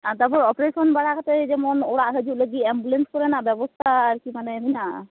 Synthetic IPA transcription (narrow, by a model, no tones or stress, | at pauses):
at̪aɾpɔɾɔpɾesɔnbaɽakat̪ed͡ʒɛmɔnoɽaʔɦəd͡ʒuleɡiembulenskɔɾenabɛbɔst̪ʰaːɾkimanemina